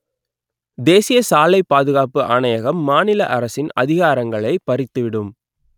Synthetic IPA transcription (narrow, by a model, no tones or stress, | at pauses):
d̪eːsɪjɐsaːlɐɪpːaːðɯɣaːpɯʔaːnɐjɐɣɐmːaːnɪlɐʔɐɾɐsɪnɐ̰ðɪɣaːɾɐŋɡɐɭɐɪpɐɾɪt̪ːɯʋɪɽɯm